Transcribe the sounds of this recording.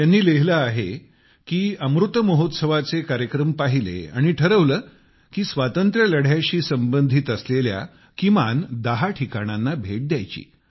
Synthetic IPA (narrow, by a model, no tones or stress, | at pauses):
janːiːleɦləaɦe | kiːəmɾut̪əməɦot̪səʋat͡sekaɾjəkɾəmpaɦilḛa̰ɽ̃iʈʰəɾəʋləː | kiːsʋat̪ənt̪ɾjələɽ̤jaɕiːsəmbənd̪ʱit̪əslelja̰ | kimand̪əɦaʈʰikaɽ̃anːabʱeʈ̚d̪jajt͡ɕḭː